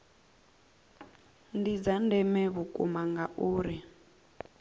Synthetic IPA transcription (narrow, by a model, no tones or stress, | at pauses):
ndid͡zandɛmɛβukʼṵmaŋɡaʔuːɾi